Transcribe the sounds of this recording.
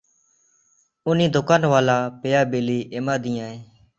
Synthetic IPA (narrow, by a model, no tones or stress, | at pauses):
ʊnĩːd̪ʊkaːnʋaːlaːpeːjaːbeːliːʔeːmãːd̪ĩːãːɦeː